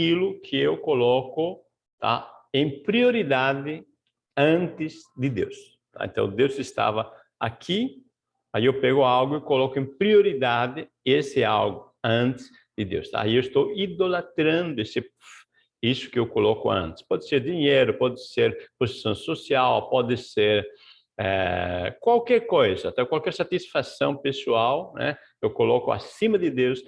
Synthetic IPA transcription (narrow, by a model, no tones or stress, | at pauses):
kilʊkʰɪewkolɔkʊ | t̪a̰ | ẽŋpɾioɾid̪ad̪ɪ | ɐ̃nt̪ɪzd̪ɪd̪ḛws | t̪a̰ḛ̃nt̪ɐ̰̃w̃d̪ewzɪst̪a̰vɐ | a̰kʰi | aiewpɛɣʊalɡʊikolɔkʊẽpɾioɾid̪ad̪ɪ | esɪalɡʊ | ɐ̃nt̪ɪ̥s | d̪ɪd̪ḛwst̪a̰iewest̪owid̪olat̪ɾɐ̃nd̪ʊesɪ | isʊ̥kɪewkolɔkʊɐ̰̃nt̪ɪ̥spɔd̪ɪseɾd̪iɲejɾʊpɔd̪ɪseɾpozi̥sõw̃sosiawpɔd̪ɪseɾ | ɛkwalkɛɾkojzɐat̪ɛkwalkɛɾsat̪isfasɐ̃w̃pesuawnɛ̰kewkolɔkʊa̰sĩmɐd̪ɪd̪ews